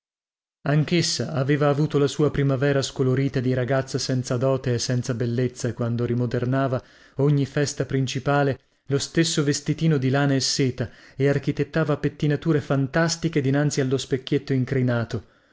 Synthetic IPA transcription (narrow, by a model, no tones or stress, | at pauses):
aŋkesːa̰aveːvaːvuːt̪olasuːapɾimavɛːɾaskoloɾiːt̪ad̪iɾaɡat̪sːasɛnt̪sad̪ɔːt̪eesːɛnt̪sabelːet̪sːakwand̪oɾimod̪ernaːva | oɲːifɛst̪apɾint͡ʃipaːle | lost̪esːovest̪it̪iːnod̪ilaːnaesːeːt̪aearkit̪et̪ːaːvapet̪ːinat̪uːɾefant̪ast̪iked̪inant̪sialːospekːet̪ːoiŋkɾinaːt̪o